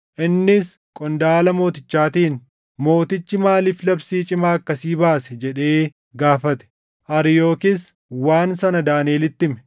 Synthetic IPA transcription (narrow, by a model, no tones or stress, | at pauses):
ʔɪnːɪs | kʼɔnd̪aːlɐmo̞ːt̪ɪt͡ʃːaːt̪iːn | mo̞ːt̪ɪt͡ʃːɪmaːliːflɐbsiːt͡ʃʼɪmaːkːɐsiːbaːsɛd͡ʒɛᶑe̞ː | ɡaːfɐt̪ɛ̥ | ʔɐɾɪjo̞ːkɪs | waːnsɐnɐd̪aːneːlɪt̪ːɪmɛ̥